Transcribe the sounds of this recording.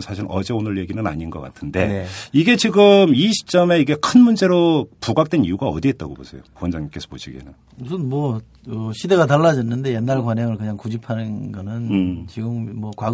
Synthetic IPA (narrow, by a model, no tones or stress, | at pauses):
nsʰaɕʰiɾʌ̰d͡ʑe̞onɯɭje̞ɡinɯna̰ɲinɡʌk͈a̰tʰɯnde̞̰iɡe̞t͡ɕiɡɯmiɕʰi̥t͡ɕ͈ʌme̞iɡe̞kʰɯnmund͡ʑe̞ɾopuɡak̚t͈we̞nijuɡaʌdiɦet̚t͈aɡobo̰sʰe̞jokowʌnd͡ʑaŋk͈e̞sʰʌpoɕʰiɡḛnɯn | musʰɯnmwʌ | ʌɕʰide̞ɡataɭːad͡ʑʌnːɯnde̞jenːaɭkwaɲɦaŋɯɭkɯɲaŋkud͡ʑipʰanɯnɡʌnɯnt͡ɕiɡɯmːʌkwa